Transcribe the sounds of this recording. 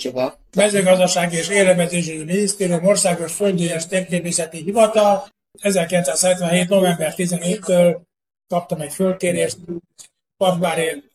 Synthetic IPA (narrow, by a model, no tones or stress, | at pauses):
mɛzøːɡɒzd̪ɒʃaːɡieːʃeːlɛvɛzeːʃ̬iminist̪eːɾijumorsaːɡoʃføld̪øːjɛʃt̪eːpt̪eːpisɛt̪iɦivɒt̪ɒl | ɛzɛrkilɛnsaːshɛt̪ʋɛnɦeːt̪no̞vɛmbɛrt̪izɛneːtt̪ːøːl | kɒp̚t̪ɒmɛcfølk̪eːɾeːʃt̪ | pɒkbaːɾe